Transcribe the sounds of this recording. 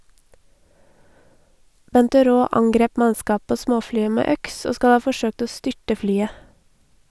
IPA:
ˈbɛntəˌɾoː ˈɑŋɡɾeːp ˈmɑskɑː ˈpoː ˈsmoːˌflyːə ˈmeː ˈœks ˈoː ˈskɑl ˈɑː fɔˈʃøːkt ˈoː ˈstʏʈə ˈflyːə

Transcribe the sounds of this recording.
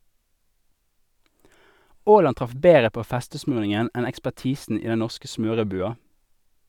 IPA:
ˈoːlɑn ˈtʁɑf ˈbeːʁə ˈpoː ˈfɛstəˌsmʉːʁnɪŋən ˈɛn ɛkspæʁˈtiːsn̩ ˈiː ˈdɛn ˈnɔʁskə ˈsmøːʁəˌbʉːɑ

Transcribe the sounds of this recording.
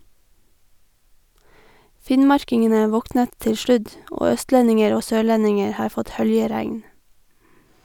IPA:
ˈfɪnmɑɹkɪŋənə ˈʋɔknət ˈtɪl ˈʃlʉd ˈoː ˈœstlɛnɪŋəɾ ˈoː ˈsøːˌɭɛnɪŋəɹ ˈhɑːɹ ˈfɔt ˈhœljəˌɾæŋn

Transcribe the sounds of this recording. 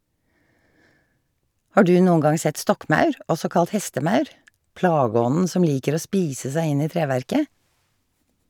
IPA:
ˈhɑː ˈdʉː ˈnuːəŋ ˈɡɑŋ ˈsɛt ˈstɔkˌmɑʉɹ ˈʔɔsɔ ˈkɑlt ˈhɛstəˌmɑʉɹ ˈplɑːˌɡɔnn̩ ˈsɔm ˈliːkəɾ ˈoː ˈspiːsə ˈsæɪ ˈɪn ˈiː ˈtɾeːʋæɹkə

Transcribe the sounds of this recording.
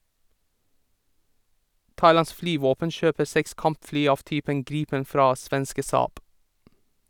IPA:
ˈtɑɪˌlɑns ˈflyːʋoːpən ˈʃøːpə ˈsɛks ˈkɑmpˌflyː ˈɑːʋ ˈtyːpəŋ ˈɡɾiːpən ˈfɾɑː ˈsʋɛnskə ˈsɑːb

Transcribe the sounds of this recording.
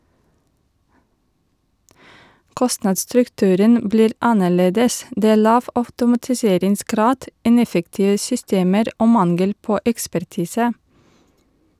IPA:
ˈkɔstnɑːdsstɾʉkˌtʉːɾən ˈbliːɾ ˈɑnəˌɭeːdəs ˈdeː ˈæː ˈɭɑːʋ ɑʉtʊmɑtɪˈseːɾɪŋsˌɡɾɑːd ˈɪnɛfəktɪʋə sʏˈsteːməɾ ˈoː ˈmɑnɡəl ˈpoː ɛkspæɾˈtiːsə

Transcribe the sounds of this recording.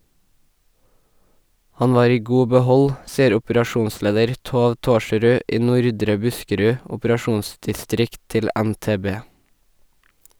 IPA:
ˈhɑɲ ˈʋɑːɾ ˈiː ˈɡuː bəˈhɔl ˈsiːəɾ ˌʊpɾɑˈʃuːnˌsleːdəɾ ˈtoːʋ ˈtoːʃɹʉːʔʔ ˈiː ˈnʊɾdɾə ˈbʉskəɾʉ ˌʊpəɾɑˈʃuːnsdɪˌstɾɪkt ˈtɪl ə ænteːˈbeː

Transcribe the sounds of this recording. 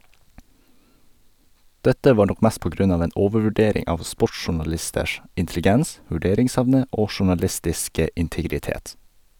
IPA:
ˈdɛtə ˈʋɑːɾ ˈnɔk ˈmæːs ˈpoː ˈɡɾʉn ˈɑːʋ ˈeːn ˈʔoːʋəʋʉˌɖeːɾɪŋ ˈɑːʋ ˈspɔʈsʃʊɳɑˌlɪstəʃ ɪntɛlɪˈɡɛns ʋʉˈɖeːɾɪŋˌsɛʋnə ˈoː ʃʊɳɑˈlɪstɪskə ɪntɪɡɾɪˈteːt

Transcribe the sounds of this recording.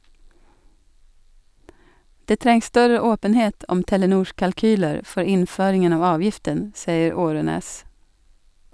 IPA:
ˈdeː ˈtɾɛŋs ˈstœɾə ˈoːpənheːt ˈɔm tɛləˈnuːʃ kɑlˈkyːləɾ ˈfɔɾ ˈɪnˌføːɾɪŋən ˈɑːʋ ˈɑːʋjɪftən ˈsiːəɾ ˈoːɾøːneːs

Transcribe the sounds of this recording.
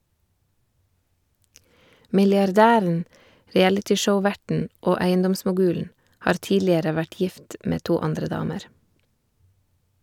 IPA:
mɪlɪɑɾˈdæːɾn̩ ɾɪˈælɪtɪˌʃəʊˌʋæʈɳ̩ ˈoː ˈæɪənˌdɔmsmʊˌɡʉːln̩ ˈhɑːɾ ˈtiːlɪəɾə ˈʋæʈ ˈjɪft ˈmeː ˈtuː ˈɑndɾə ˈdɑːməɾ

